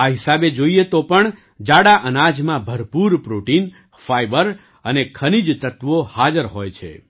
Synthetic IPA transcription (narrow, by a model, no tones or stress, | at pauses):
aɦisabed͡ʒoiet̪opəɳ | d͡ʒaɽaʔənad͡ʒmãbʱəɾpuɾpɾoʈin | fajbəɾ | ənekʰənid͡ʒt̪ət̪ʋohad͡ʒəɾɦojt͡ʃʰḛ